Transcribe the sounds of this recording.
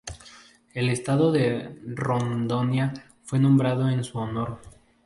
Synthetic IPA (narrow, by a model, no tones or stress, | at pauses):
e̞le̞st̪aðo̞ðe̞rond̪onja | fwe̞nõ̞mbɾaðo̞ensuono̞ɾ